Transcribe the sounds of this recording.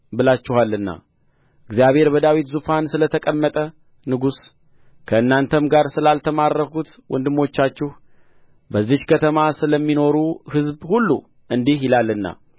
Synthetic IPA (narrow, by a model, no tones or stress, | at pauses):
bɨlat͡ʃːɪhalːɨnːa̰ | ɨɡzijaβhe̞ɾbəd̪awit̪zufansɨlət̪ʰəkʼəmːət̪ʼə | nɨɡus | kʰəɨnːant̪ʰəmɡaɾsɨlalt̪ʰəmarːəkut̪ | wʔɔnd̪ɨmːo̞t͡ʃːat͡ʃːɪh | bəzːihkʰət̪ʰəmasɨləmːino̞ɾuhɨzbhulːṵ | ʔɨnd̪ihjɪlalːɨnːa̰